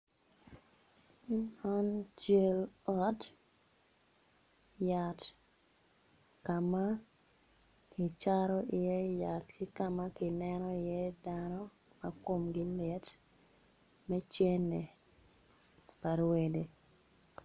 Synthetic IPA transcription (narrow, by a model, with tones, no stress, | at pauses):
ɔ˦nt͡ʃe˦lɔ˦t | ja˨t | ka˨ma˦ | ki˨t͡ʃa˦ɾɔ˦ʔi˨je˦ja˨tki˦ka˨ma˦kɪ˨nɛ˦nɔ˦ɪ˨je˦danɔ˦ | ma˨ko˦mɡɪ˦lɪ˨t | mɛ˦t͡ʃe˦nːe˨ | pa˨ɾwe˨de˨